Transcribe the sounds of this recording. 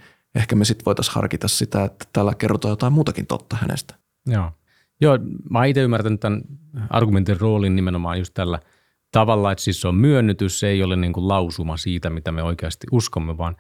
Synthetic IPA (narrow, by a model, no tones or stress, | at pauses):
ehkæmesit̪ʋoit̪ɑshɑ̰rkit̪ɑssit̪æet̪ːæ̥t̪æːlːækerot̪oɑːjot̪ɑimuːt̪ɑkint̪o̰t̪ːɑhænḛst̪æ̥ | joː | joːmɑːit̪eymːært̪ænyt̪t̪ænɑ̰rɡument̪irroːlinnimenomɑːnjust̪t̪ælːæ | t̪ɑʋɑlːɑet̪sisːommyønːyt̪ysːeiolenniːŋkullɑusumɑsiːt̪æmit̪æmeoikeɑst̪iʔuskomːeʋɑːn